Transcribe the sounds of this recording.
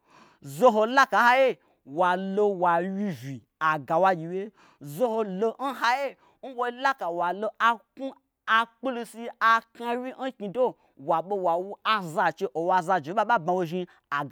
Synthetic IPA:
zo˦ɦo˧la˦ka˨˦ha˦je˦ | wa˨lo˧wa˨wi˧vi˨ | a˨ɡa˨wa˧ɡʲi˨we˦ | zo˦ho˧lo˧n̩˦ɦa˦je˦ | n̩˦wo˦la˦ka˨wa˨lo˧a˧ku˦ | a˧k͡pu˦lu˧si˧a˧ka˧wʲi˦n̩˦ki˧do˦ | wa˨ɓo˧wa˨wu˦a˧za˧t͡ʃe˧ʔo˨wa˧za˧d͡ʒe˨˦ɓa˦ɓa˦ba˧wo˧ʒi˧ | a˨ɡ

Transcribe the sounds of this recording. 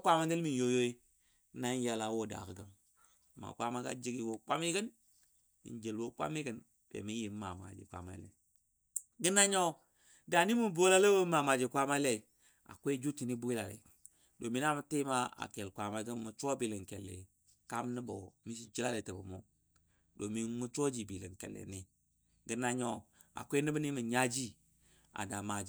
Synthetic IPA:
kʷa˦ma˦nde˦lmi˨n˨jo˦jo˦i˦ | na˦nja˨la˨˦wo˦˨da̰˨kə˨ɡə˦m | ma̰˨kʷa˦ma˦ɡa̰˦d͡ʒi˦ɡi˦˨wo˦k͡pʷa˦mi˦ɡə˦n | ḭ˨nd͡ʒe˨lwo˦k͡pa̰˦mi˦ɡə˨n | bḛ˨mi˦ji˨m˦ma̰˨ma̰˨d͡ʒḭ˨kʷa̰˨ma̰˦lḛ˨ | ɡə˦na˦ɲo˦ | da˨ni˦mu˦bo˦la˦lə˦wo˦ma˨ma˨d͡ʒi˨kʷa˦ma˦le˦˨ | a̰˨kʷe˦d͡ʒu˦ti˨ni˦bu˦i˦la˨lḛ˨ | do˨mi˦na˦mə˦ti˦ma˦a̰˨ke˨lkʷa˨ma˦ɡə˦mu˨t͡ʃo˦bi˨lə˨ŋke˨lːḛ˨ | ka˦mni˦bo˨mi˦si˦t͡ʃi˦la˦le˨tə˨bə˨mo˦ | do˨mi˨mu˦t͡ʃo˦d͡ʒi˨bi˨lə˨nkḛ˨lːḛ˨ni˦ | ɡə˦na˦ɲo˦ | a̰˨kʷe˦ni˦bə˦ni˦mə˨ɲa˦d͡ʒi˦ | a̰˨da˨ma˨d͡ʒ

